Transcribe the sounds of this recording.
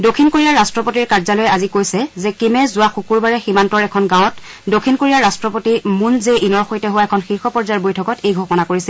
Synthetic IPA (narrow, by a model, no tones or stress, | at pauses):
dokʰinkoɹijaɹastɹɔpotiɹkaɹzalojɛazikojsɛzɛkimɛzʊwaxukuɹbaɹɛximantɔɹɛkʰɔnɡãɔt | dokʰinkoɹijaɹastɹɔpotimunzeinɔɹxojtɛɦʊwaɛkʰɔnxiɹxɔpɔɹzajaɹbojtʰɔkɔtejɡʱɔkɔnakoɹisɛl